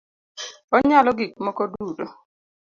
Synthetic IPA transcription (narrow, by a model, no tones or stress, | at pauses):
ɔɲalɔɡikmɔkɔdudo